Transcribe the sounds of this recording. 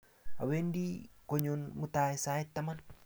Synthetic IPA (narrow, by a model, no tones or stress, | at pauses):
a̰wendikoɲunmut̪aesait̪ːaman